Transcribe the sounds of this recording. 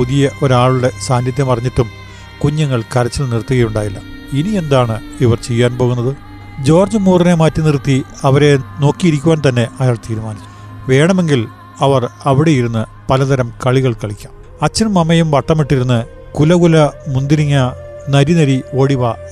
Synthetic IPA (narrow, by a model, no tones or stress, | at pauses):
uðijɐʔo̞ɾaːɭuɽe̞saːnjɐt̪̬jɐmɐrɐɲːiʈːum | kuɲːɐŋːɐɭkɐɾɐt͡ɕːilnirt̪ːuɣɐjuɳɖaːjilːɐ̰ | inie̞nd̪aːɳɨ | iʋɐrt͡ɕe̞jːaːnpo̞ːɣunːɐðɨ | d͡ʑo̞ːrd͡ʑɐmuːrine̞maːtːɨnirt̪ːiɐʋɐɾe̞no̞ːkːijiɾikʲːuʋaːnt̪ɐnːe̞ɐjaːɭt̪iːɾumaːnit͡ɕʲːu̥m | ʋe̞ːɳɐme̞ŋɡil | ɐʋɐrɐʋiɽe̞jiɾunːɨ | pɐlɐt̪ɐɾɐmkɐɭiɣɐɭkɐɭikʲːaːm | ɐt͡ɕːɐnumɐmɐjumʋɐʈːɐmiʈːiɾunːɨ | kulɐɣulɐmund̪iɾiŋːɐnɐɾinɐɾio̞ːɽiʋɐ